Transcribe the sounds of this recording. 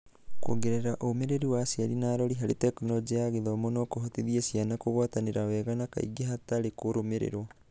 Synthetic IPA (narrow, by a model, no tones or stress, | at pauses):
ko̰ɡeɾeɾaʔomeɾeɾiwasiaɾinaːɾɔɾiɦaɾetɛkunɔd͡ʒeaɣeðɔmonɔkoɦot̪iðiesianakoɣwataneɾawɛɣanaka̰ḭɡeɦataɾekoɾomeɾḛɾo